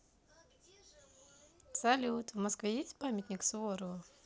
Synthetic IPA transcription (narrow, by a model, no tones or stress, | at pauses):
sɐlʲut̪vmɐskvʲejesʲt̚ʲpamʲɪt̪ʲnʲɪksvoɾəvə